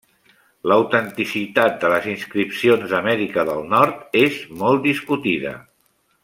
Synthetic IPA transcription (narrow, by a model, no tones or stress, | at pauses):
ləwt̪ənt̪isit̪at̪̚d̪ələzinskɾipsionzəmɛɾikəðəlˠnɔɾt̪ezmɔlˠt̪̚d̪iskut̪iðə̰